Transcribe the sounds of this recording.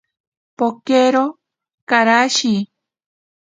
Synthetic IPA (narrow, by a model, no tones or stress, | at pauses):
pokeɾo | kaɾaʃi